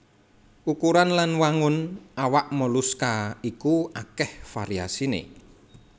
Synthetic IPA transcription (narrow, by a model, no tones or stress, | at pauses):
ʔukuɾanlanwaŋʊnawaʔmɔluskaikuakɛhfaɾia̰sinḛ